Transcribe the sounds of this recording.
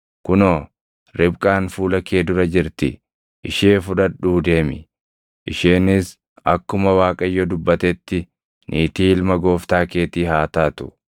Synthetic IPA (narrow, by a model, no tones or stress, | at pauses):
kʊnoː | ɾɪbkʼaːnfuːlɐke̞ːd̪ʊɾɐd͡ʒɪɾt̪ɪ̰ | ʔɪʃeːfʊᶑɐᶑuːd̪e̞ːmɪ̰ | ʔɪʃeːnɪs | ɐkːʊmɐwaːkʼɐjːɔd̪ʊbːɐt̪ɛt̪ːɪ | nʔiːt̪iːɪlmɐɡo̞ːft̪aːkeːt̪iːhaːt̪aːt̪ʊ̥